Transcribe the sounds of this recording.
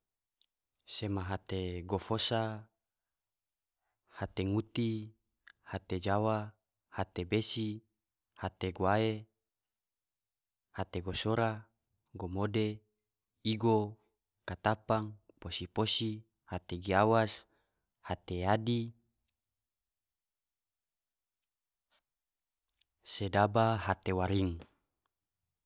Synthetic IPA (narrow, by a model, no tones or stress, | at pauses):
semaɦat̪eɡofosa | hat̪eŋut̪i | hat̪ed͡ʒawa | hat̪ebesi | hat̪eɡoae | hat̪eɡosoɾa | ɡomode | iɡo | kat̪apaŋ | posiposi | hat̪eɡiawas | hat̪eadi | sedabaɦat̪ewaɾiŋ